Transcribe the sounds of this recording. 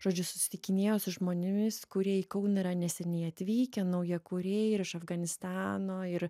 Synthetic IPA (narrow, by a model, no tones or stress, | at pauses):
ʒoːd͡ʒʲʊsʊ̥sʲɪ̥t̪ʲɪkʲɪnʲeːjoːsʊʒmoːnʲɪmʲɪskʊɾʲiɛiːkɐʊnɐɪɾɐnʲɛsʲɛnʲɛɪɐt̪ʲʋʲiːkʲɛnɐʊjiɛkʊɾʲeːɪɾɪʃɐfɡɐnʲɪst̪ɑːnoːɪɾ